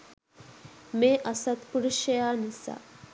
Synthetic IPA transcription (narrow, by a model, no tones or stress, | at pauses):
meːʔasat̪puɾuʃjəjaːnisa̰